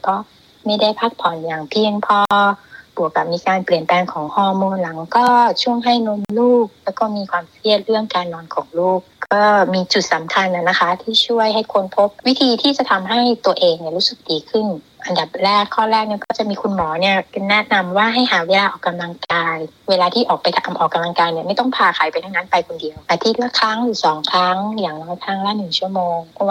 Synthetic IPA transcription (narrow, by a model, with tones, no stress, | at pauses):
kɔː˧˥˩ | ma˥˩jda˥˩jpʰaː˦˧˥k̚pʰɔː˨˩njaː˨˩ŋpʰi˧əŋpʰɔː˧b̥u˨˩˦əkːa˨˩p̚miː˧kaː˧npli˨˩ənpɛː˧ŋkʰɔː˩˦ŋhɔː˧˩moː˧nla˩˦ŋkɔː˥˩t͡ɕʰu˥˩əŋɦa˥˩jno˧mluː˥˩k̚lɛː˦˥wkɔː˥˩miː˧kʰwaː˧msi˧˥˩ət̪̚ɾɯ˥˩əŋkaː˧nːɔː˧nkʰɔː˩˦ŋluː˥˩k̚kɔː˥˩miː˧t͡ɕu˨˩t̪̚sa˨˩˦mkʰa˧nʔa˧˩na˦˧˥kʰa˦˥t̪ʰiː˥˩t͡ɕʰu˥˩əjɦa˥˩jkʰo˧npʰo˦˥p̚wi˦˥t̪ʰiː˧t̪ʰiː˥˩t͡ɕa˨˩˦t̪ʰa˧mɦa˥˩jt̪u˧ɐʔeː˧ŋni˧˩ɾuː˦˥sɯ˨˩k̚diː˨˧kʰɯ˥˩n | ʔa˧nda˨˩p̚ɾɛː˥˩kʰːɔː˥˩ɾɛː˥˩k̚ni˧˥˩kɔː˥˩t͡ɕa˨˩miː˧kʰu˧nmɔː˩˦ni˥˩ɐ˧nɛ˦˥na˧mwaː˥˩ɦa˥˩jɦaː˩˦weː˧lːʔɔː˨˩kːa˧mla˧ŋkaː˧jweː˧laː˧t̪ʰiː˥˩ʔɔː˨˩k̚pa˧jt̪ʰa˧mʔɔː˨˩kːa˧mla˧ŋkaː˧jni˥˩ma˥˩jt̪ɔ˥˩ŋpʰaː˧kʰaː˩˦jpa˧jt̪ʰa˦˥ŋna˦˥npa˧jkʰo˧ndi˧əwʔa˧˩t̪ʰiː˦˥˩t̪̚la˧˥kʰɾa˦˥ŋlɯː˩˦sɔː˩˦ŋkʰɾa˦˥ŋjaː˨˩ŋnɔː˦˥jk̪ʰɾa˦˥ŋlɛ˦˥nɯ˨˩ŋt͡ɕʰu˥˩əmoː˧ŋpʰɔ˦˥waː˥˩